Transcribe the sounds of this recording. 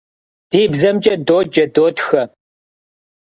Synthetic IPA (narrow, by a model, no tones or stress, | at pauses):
d̥iːbzɐmt͡ʃʼɐdoːd͡ʒɐdoːtxɐ